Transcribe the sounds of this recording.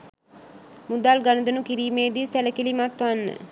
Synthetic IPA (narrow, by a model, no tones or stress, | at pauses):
mud̪alɡanəd̪ənukiɾiːmeːd̪isæləkilimat̪ʋanːə̰